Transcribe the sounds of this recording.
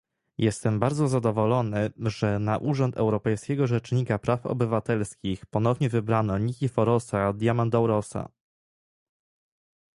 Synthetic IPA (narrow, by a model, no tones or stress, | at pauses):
jɛst̪ɛmbaɾd̪zɔzad̪ɔvɔlɔnɘʐɛnaʔuʐɔnt̪ɛ̰wɾɔpɛjskʲɛɡɔʐɛt͡ʂɲikapɾafɔ̰bɘvat̪ɛlskʲixpɔnɔvɲɛvɘbɾanɔɲikʲifɔɾɔsad̪ʲjamand̪awɾɔsa̰